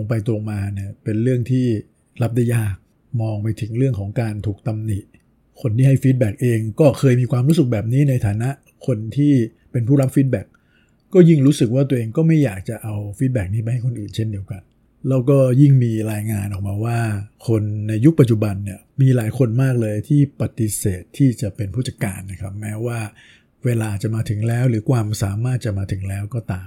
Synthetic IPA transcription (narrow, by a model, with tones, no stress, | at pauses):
o˧ŋp̬a˧jt̪ɾo˧ŋmaː˧ni˥˩ɐpe˧nɾɯ˥˩əŋt̪ʰiː˥˩ | ɾa˦˥p̚da˥˩jaː˥˩k̚ | mɔː˧ŋpa˧jt̪ʰɯ˩˦ŋɾɯ˥˩əŋkʰɔː˩˦ŋkaː˧nt̪ʰuː˨˩k̚t̪a˧mni˨˩ʔ | kʰo˧nt̪iː˥˩ha˥˩jfi˦˥t̪̚bɛː˨˩k̚ʔeː˧ŋkɔː˥˩kʰɤː˧jmiː˧kʰwaː˧mɾuː˦˥sɯ˨˩k̚bɛː˨˩p̚niː˦˥na˧jt̪ʰaː˨˩˦na˦˥ʔ | kʰo˧nt̪ʰiː˥˩ | pe˧npʰuː˥˩ɾa˦˥p̚fiː˦˥t̪̚bɛ˨˩k̚ː | ɔː˥˩ji˥˩ŋɾuː˦˥sɯ˨˩k̚waː˥˩t̪u˧əʔeː˧ŋkɔː˥˩ma˥˩jːaː˨˩k̚t͡ɕa˨˩ʔa˧wfi˦˥t̪̚bɛː˨˩k̚niː˦˥pa˧jha˥˩jkʰo˧nʔɯː˨˩nt͡ɕʰe˥˩ndi˧əwka˧n | lɛː˦˥wkɔː˥˩ji˥˩ŋmiː˧ɾaː˧jŋaː˧nʔɔː˨˩k̚maː˧waː˥˩kʰo˧nːa˧jːu˦˥k̚pa˨˩t̚t͡ɕu˨˩ba˧nːi˦˥˩əmiː˧laː˩˦jkʰo˧nmaː˥˩k̚lɤː˧jt̪ʰiː˥˩pa˨˩t̪i˧˦seː˨˩t̪ʰːiː˥˩t͡ɕa˨˩pe˧npʰuː˥˩t͡ɕa˧˩kːa̰ː˧nːa˦˥kʰɾa˦˥p̚mɛː˦˥waː˥˩ | weː˧laː˧a˨˩t͡ɕa˨˩ʔmaː˧t̪ʰɯ˩˦ŋlɛː˦˥wɾɯː˩˦kʰwaː˧msaː˩˦maː˥˩t̪̚t͡ɕa˨˩maː˧t̪ʰɯ˩˦ŋlɛː˦˥wkɔː˥˩t̪aː˧m